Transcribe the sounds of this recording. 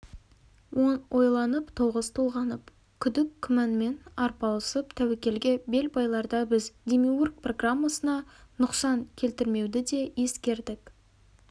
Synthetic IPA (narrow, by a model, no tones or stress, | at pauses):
wonwʔo̞jlˠɑnəpt̪ʰoʁəzt̪ʰulˠʁɑnəp | kʲʰʏd̪ɪkʲkʰːʏmænme̞nɑɾpɑlˠəsəpt̪ʰæwekʲe̞lɡʲe̞be̞lbɑjlˠɑɾd̪ɑbɪzd̪ʲemiurk̚pro̞ɡramːasənɑnʊqsɑŋkʲʰe̞lt̪ɪɾme̞wd̪ɪd̪e̞je̞skʲe̞ɾd̪ɪk